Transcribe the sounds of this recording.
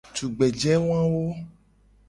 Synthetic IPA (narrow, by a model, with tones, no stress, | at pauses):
tu˨ɡ͡bɛ˨d͡ʒɛ˦w̃ã˦wo˦